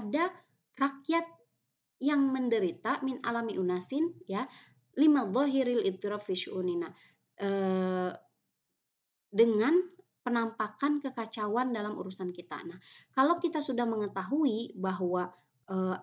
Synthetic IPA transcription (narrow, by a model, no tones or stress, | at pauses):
ada | rakjat̪̚ | jaŋməndəɾit̪amɪnʔa̰lamiʔunasɪnja | limaðˤɑɦiɾalɪð̚t̪iɾafiʃuʔunina | ʔə | dəŋan | pənampakankəkat͡ʃawandalamṵɾusankit̪a̰nahkalawkit̪asudahməŋət̪aɦuibaɦwa | ʔə